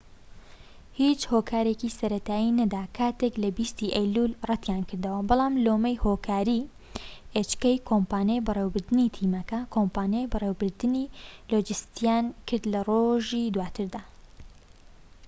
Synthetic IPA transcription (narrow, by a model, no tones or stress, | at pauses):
hiːt͡ʃhoːkʰaːɾecisɐɾɐt̪ʰaːjinɐd̪aːkʰaːt̪eklɐbist̪iʔɐjlulrɐt̪jankʰɨɾd̪ɐwɐbɑlˠaːmloːmɐjhoːkʰaːɾi | ʔet͡ʃkɐjkʰompaːnejbɨrewbɨɾd̪ɨnit̪ʰiːmɐkɐkʰompaːnejbɨreːwbɨɾd̪ɨniloːd͡ʒɨst̪ijaːnkʰɨɾd̪lɐroʒid̪waːt̪ʰɨɾd̪aː